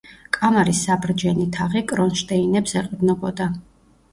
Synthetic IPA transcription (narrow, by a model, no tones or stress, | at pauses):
kʼamaɾisːabɾd͡ʒɛnit̪ʰaʁikʼɾɔnʃt̪ʼɛinɛpsɛqʼd̪nɔbɔd̪a